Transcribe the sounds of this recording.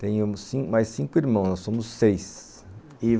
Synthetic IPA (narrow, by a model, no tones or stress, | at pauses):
t̪ẽj̃ʊsĩmajssĩŋkʊiɾmɐ̃w̃snɔsõmʊsːejs | i